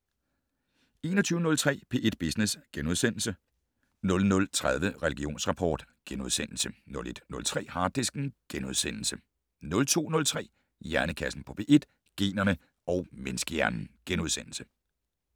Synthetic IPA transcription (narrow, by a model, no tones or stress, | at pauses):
e̝̰ːnɒt͡sʰyːʊnɔ̽lt͡sʰʁɛ̰ːpʰe̝̰ːʔe̝d̥̚b̥esnesɡ̥enuð̞ˠsen̰l̩sə | nɔ̽lnɔ̽lt͡sʰʁað̞ˠʋəʁɛliɡ̥io̝̰ːnsʁɑ̈pʰɒ̰ːd̥ɡ̥enuð̞ˠsen̰l̩sənɔ̽le̝d̥nɔ̽lt͡sʰʁɛ̰ːhɑ̈ːd̥esɡ̥n̩ɡ̥enuðˠsen̰l̩sə | nɔ̽lt͡sʰo̝̰ːnɔ̽lt͡sʰʁɛ̰ː | jæɐnəkʰæsn̩pʰɒ̽pʰe̝̰ːʔe̝d̥ | ɡ̥e̝̰ːnɐnə | ɒʊmensɡ̥əjæɐnn̩ɡ̥enuð̞ˠsen̰l̩sə